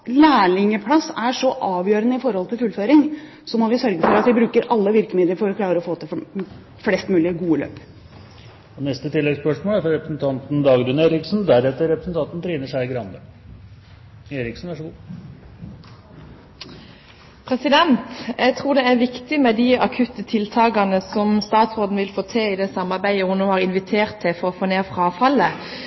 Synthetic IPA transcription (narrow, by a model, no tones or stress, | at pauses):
læːɭɪŋəpʰlɑsːæʂɔʔɑːʋjøːɾənəɪfɔɾhɔlt̪ʰɪlfʉlføːɾɪŋ | sɔmɔʋɪsœɾɡəfɔɾɑt̪ʋɪbɾʉːkəɾʔɑlːəʋɪɾkəmɪd̪əɾfɔɾɔkʰlɑːɾəɾɔfoːt̪ʰɪl | flɛːst̪mʉːlɪəɡuːəlø̰ːp | ɔnɛst̪ət̪ʰɪlːɛɡəspœʂmoːlæɾfɔɾɛpɾəsn̩t̪ʰɑnt̪nd̪ɑːɡd̪ʉːneːɾɪksnd̪æɾɛt̪əɾɛpɾəsnt̪ʰɑnt̪n̩t̪ʰɾiːnəʂæɪɡɾɑnd̪ə | eːɾɪksn̩ʋæʂəɡuː | pʰʁɛsɪd̪ɛnt̪jʔæɡt̪ʰʁuːd̪ɛæʁʋɪkt̪ɪmɛd̪ɪɑkʰʉt̪ət̪ʰɪlt̪ʰɑːɡɑnəsɔmst̪ɑːt̪sʁoːd̪n̩ʋɪlfoːt̪ʰeɪd̪ɛsɑmɑʁbæɪəhʊnnoːhɑːʁɪnʋɪt̪ʰeːʁt̪ʰːɪfɔʁɔfoːneːʁfʁɑːfɑlːə